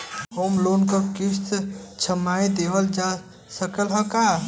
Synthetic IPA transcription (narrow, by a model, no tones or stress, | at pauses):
homlonkəkist̪t͡ʃʰəmajd̪ebəld͡ʒa | səkəlɦəka